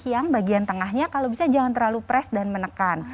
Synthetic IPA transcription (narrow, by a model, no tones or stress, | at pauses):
jaŋbaɡiant̪əŋahɲakalobisad͡ʒaŋant̪ərlalupɾɛsdanmənəkan